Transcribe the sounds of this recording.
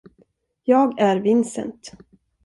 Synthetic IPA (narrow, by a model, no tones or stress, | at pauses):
jɑːɡæɾvɪnsə̰nt̪